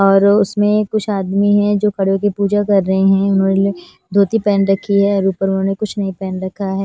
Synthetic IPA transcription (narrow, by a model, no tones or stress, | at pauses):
ɔːɾʊsmẽkʊt͡ʃʰaːd̪miɦɛ̃d͡ʒoːkʰɐɽjõk̬ipuːd͡ʒakɐɾːɐɦeɦɛ̃ʊnɦõːnele | d̪ʱoːt̪ipɛːnɾɐkʰiɦɛɔɾuːpəɾʊnɦõːnekʊt͡ʃʰnɐɦĩpɛːnɾɐkʰːaɦɛː